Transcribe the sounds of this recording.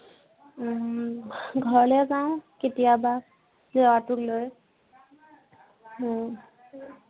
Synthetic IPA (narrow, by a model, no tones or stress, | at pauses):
ɡʱɔɹɔljɛzaʊ̃ketijaba | zɛɔatʊkloj | m